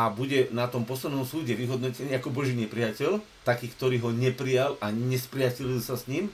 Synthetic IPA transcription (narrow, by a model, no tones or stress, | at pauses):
abuɟɛnat̪ɔmpɔslɛnnɔmsuːɟɛʋiɦɔd̪nɔcɛɲɪiakɔbɔʒiːɲɛpɾɪacɛʎ | t̪akiːkt̪ɔɾiːɦɔɲɛpɾijalʔaɲɛspɾɪacɛʎlsasɲim